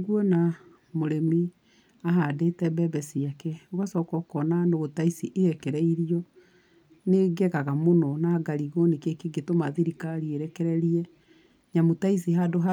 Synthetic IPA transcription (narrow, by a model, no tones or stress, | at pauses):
ɡwɔna | moɾemi | aɦadetɛbɛbɛsiakɛoɣasɔkɔkɔnanoɣotaisiʔehɛkɛɾɛiɾiɔ | neɡɛɣaɣamonɔnaɡaɾiɣonikekeɡetomaðiɾikaɾieɾɛkɛɾɛɾiɛ | ɲamotais̬iɦadoɦa